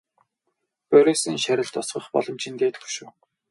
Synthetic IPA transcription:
pœɾʲesinʃæɾʲɪ̆ɮt̪ɔsɢə̆χpɔ̰ɮɞ̆mt͡ɕʰĭnt̪eːt̪̆xu̥ʃuː

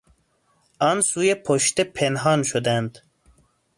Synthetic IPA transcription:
ɑːnsuːjepʰoʃt̪epʰenɦɑːnʃod̪ænd̪

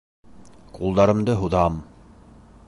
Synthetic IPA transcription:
qulˠd̪ɑɾɤ̆md̪ɤɦuðɑm

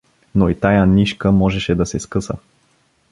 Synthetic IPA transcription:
noit̪ajaniʃkəmɔʒɛʃɛd̪ɐsɛskɤsə̰

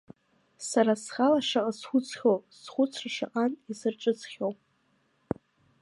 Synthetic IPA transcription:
saɾasχalaʂaqʼasχʷʊt͡sʰχʲowpsχʷʊt͡sʷʰraʂaqʼanizɨrʈ͡ʂʼɨt͡sʰχʲowpʼ

